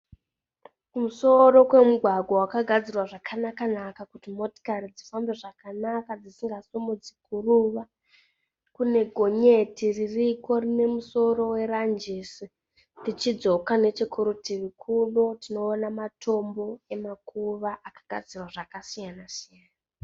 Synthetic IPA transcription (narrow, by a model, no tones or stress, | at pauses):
kumuso̞ɾo̞kwe̞muɡʱwaɡʱawakaɡʱad͡zirwaʐakʰanakanakakutimo̞ti̥karid͡zifambeʐakanakad͡zisiŋɡasumud͡zikuruʋa | kune̞ɡʱo̞ɲe̞tiririko̞rine̞muso̞ɾo̞we̞ɾand͡ʒisi | tit͡ʃid͡zo̞kane̞t͡ʃikʰuɾutiʋikʰuɗotino̞ːnamatʰo̞mbo̞emakuʋaʔakḁɡ̥ʱa̰d͡zirwaʐakasijanasijaːna